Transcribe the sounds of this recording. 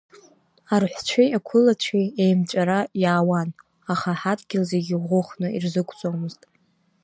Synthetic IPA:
arħʷt͡ɕʷʰejakʷʰʊlat͡ɕʷʰiejmt͡ʃʷʼaɾajaːwan | aχaħadʼɡʲɪlze̞ɡʲɪʁʷʊχnɨirzɨkʷʰʼt͡sʼomɨztʼ

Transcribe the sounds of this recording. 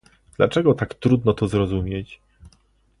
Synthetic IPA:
d̪̥lat͡ʂɛɡɔt̪akt̪ɾud̪nɔt̪ɔzɾɔzumʲjet͡ɕ

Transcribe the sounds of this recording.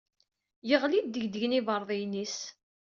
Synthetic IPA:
jəʁlid̪ːəʝd̪əʝnivəɾˤðˤijnis

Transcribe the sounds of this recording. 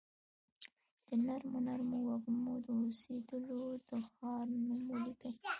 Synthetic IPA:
d̪̥ənaɾmʊnaɾmowaɣmod̪əosed̪əlod̪əxɑɾnamolikə

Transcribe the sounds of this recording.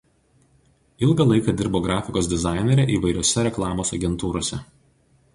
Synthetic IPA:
ɪlˠɡɐlˠɐɪkɐd̪ʲɪɾboːɡɾɑːfʲɪkoːsd̪ʲɪzɑˑɪnʲɛɾʲɛʔiːʋɐɪɾʲoɔsʲɛɾʲɛklˠɑːmoːsɐɡʲɛnt̪uːɾoɔsʲɛ

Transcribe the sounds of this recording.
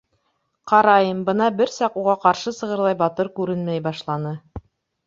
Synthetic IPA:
qɑɾɑjɤmbɤn̪ɑbɘɾsɑquʁɑqɑɾʃɤsɤ̆ʁɤ̆ɾlˠɑjbɑt̪ɤɾkʉɾɘnmæjbɑʃlˠɑnɤ

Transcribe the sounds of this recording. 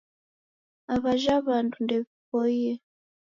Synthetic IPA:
aβaʒaβantundɛβipoie

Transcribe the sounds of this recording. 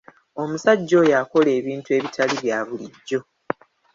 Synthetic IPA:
o̞musaɟːo̞jako̞le̞ːβiːntue̞ːβitʰaliβjaːβuliɟːo̞

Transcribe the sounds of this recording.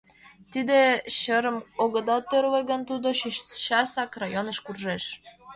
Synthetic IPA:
t̪id̪eɕəɾə̆moɣɤ̆d̪ɑt̪ørleɣə̆nt̪ud̪oɕɕɑsɑkrɑjonɤ̆ʃkurʒeʃ

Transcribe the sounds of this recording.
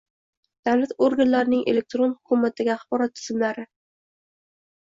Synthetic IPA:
d̪̥awlat̪oɾɡʲanlaɾɪnɪŋʔe̞̰le̞k̚t̪ɾonhʊkʰʊmːat̪aɡʲɪaχbɒɾat̪ʰːʊ̥zɪmlaɾɪ

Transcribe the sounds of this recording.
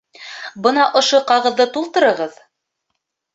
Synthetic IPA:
bɤnɑʔŏʃoqɑʁɤ̆ðːɤt̪ulˠt̪ɤ̆ɾɤ̆ʁɤð

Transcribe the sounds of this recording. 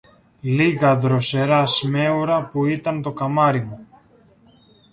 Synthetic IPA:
liɣɐðɾo̞se̞ɾɐsme̞uɾɐpuit̪ɐnt̪o̞kɐmɐɾimu

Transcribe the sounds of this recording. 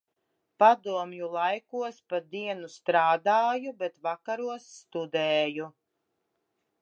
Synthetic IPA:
pad̪uɔmjulˠajkuɔspad̪iɛnust̪ɾaːd̪aːjubɛt̪vakaɾuɔsːt̪ud̪ɛːju

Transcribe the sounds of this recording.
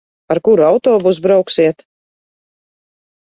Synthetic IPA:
aɾkuɾuawt̪ɔːbuzbɾawksiɛt̪

